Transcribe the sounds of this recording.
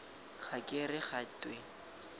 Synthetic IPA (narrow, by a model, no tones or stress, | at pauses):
χakʼɪrɪχatʼwe